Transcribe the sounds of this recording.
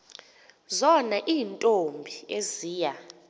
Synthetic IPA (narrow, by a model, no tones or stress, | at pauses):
zɔnaʔiːntʼombʱieziːja